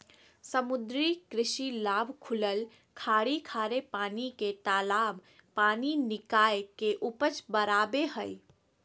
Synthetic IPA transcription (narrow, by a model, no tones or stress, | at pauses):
səmʊd̪ɾikɾɪʃilaːbʱkʰʊləl | kʰaːɽikʰaːɾepaːniket̪aːlaːb | paːninɪkaːjkeʔʊpət͡ʃbəɾaːbeɦəi